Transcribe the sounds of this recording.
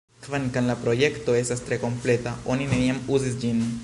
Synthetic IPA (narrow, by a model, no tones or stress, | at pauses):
kvankanlapɾo̞je̞kt̪o̞e̞st̪ast̪ɾe̞ko̞mple̞t̪ao̞nineniamuzisd͡ʒin